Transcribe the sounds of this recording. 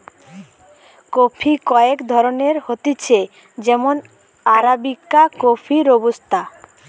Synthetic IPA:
kopʰikɔekd̪ʱɔɾoneɾhot̪it͡ɕʰe | d͡ʑɛmon | aɾabikːakopʰiɾobost̪ʰa

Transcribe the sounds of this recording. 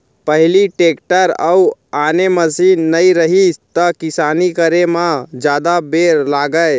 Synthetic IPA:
pəɦliʈekʈəɾə̰uaneməsinːəiɾəɦist̪əkisanikəɾemãd͡ʒjad̪abeɾlaɡəj

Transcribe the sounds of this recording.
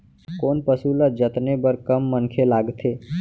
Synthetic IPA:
koːnpəsuləd͡ʒət̪nebəɾkəmːənkʰelaɡt̪ʰe

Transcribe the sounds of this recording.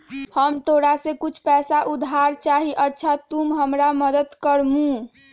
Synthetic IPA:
həmt̪oɾasekut͡ʃʰpɛsaʔud̪ʱɦaɾt͡ʃaɦiʔətːʃʰat̪umɦəmɾaməd̪əd̪kəɾmũ

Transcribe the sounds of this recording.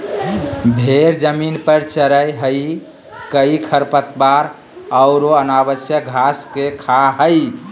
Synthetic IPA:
bʱeɾd͡ʒəminpəɾt͡ʃəɾəjɦəj | kəikʰəɾpət̪baɾ | əʊɾoənaβəsjəɡʱaskekʰaɦəj

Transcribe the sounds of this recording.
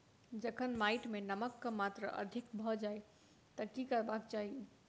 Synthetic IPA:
d͡ʒəkʰənmaɪʈmenəməkːəmat̪ɾə̰ʔə̰d̪ʱikbʱɔd͡ʒaj | t̪əkikəɾbakt͡ʃaɦi

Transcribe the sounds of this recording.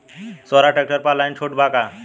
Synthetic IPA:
sɔɾaʈek̚ʈəɾpalajnt͡ɕʰoʈbʱaka

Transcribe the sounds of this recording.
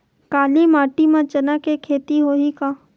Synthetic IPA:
kaːlimaːʈimãt͡ʃɐnakekʰeːt̪iɦoːɦikaː

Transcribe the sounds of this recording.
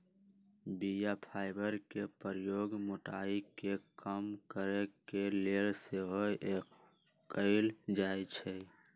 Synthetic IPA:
bijapʰaːɪbəɾkepəɾjoːɡmʊʈaːikekəmkəɾekeleːlseɦoʔeːkː | əɪld͡ʒaːit͡ʃʰɛ

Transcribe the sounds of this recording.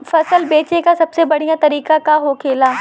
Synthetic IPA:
fɐsəlbeːt͡ɕekʰãsɐbsebɐɽ̤ijãt̪ɐɾiːkakaɦoːkʰeːlaː

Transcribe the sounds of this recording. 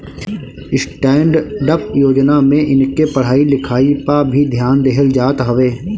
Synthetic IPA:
ɪsʈɛ̃ːɳɖɖəpjoːd͡ʒnamẽʔɪnkepɐɽ̤aːilɪkʰaːipabʱid̪ʱjaːnd̪eɦəld͡ʒaːt̪ɦɐʋeː

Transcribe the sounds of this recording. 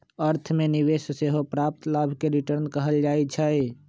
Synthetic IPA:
əɾt̪ʰmeniʋesseɦopɾap̚t̪labʱkeɾiʈəɾnkəɦəld͡ʒajt͡ʃʰə

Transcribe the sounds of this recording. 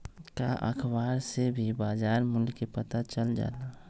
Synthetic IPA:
kaʔə̰kʰbaːɾsebʱibaːzaːɾmʊlkepət̪at͡ʃəld͡ʒa̰ːla

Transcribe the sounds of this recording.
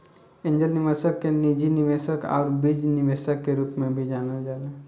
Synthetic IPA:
ẽɲd͡ʒəlnɪʋəsəkːenid͡ʒinɪʋeːsəkɔ̰ːɾbid͡ʒnɪʋeːsəkːeɾuːpmẽbʱid͡ʒaːnəd͡ʒaːna

